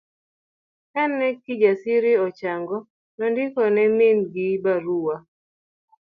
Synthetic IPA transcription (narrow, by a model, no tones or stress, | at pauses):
kɛnːɛkɪd͡ʒasɪɾɪɔt͡ʃaŋɡɔ | nɔndɪkɔnɛmɪnɡɪbaɾuwa